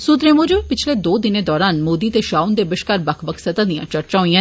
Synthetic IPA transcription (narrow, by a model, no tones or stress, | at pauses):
sʊt̪ɾemoːd͡ʒopɪt͡ʃʰled̪oːd̪ɪned̪ɔːɾaːnmoːd̪it̪eʃaːund̪ebɪʃkaːɾbɐkʰbɐksɐt̪ãd̪ijã̰t͡ʃɐɾt͡ʃaːɦĩã